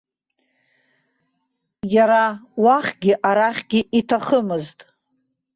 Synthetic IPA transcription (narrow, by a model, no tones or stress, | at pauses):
jaɾawaχʲɡʲɪʔaɾaχʲɡʲɪʔitʰaχəmɨztʼ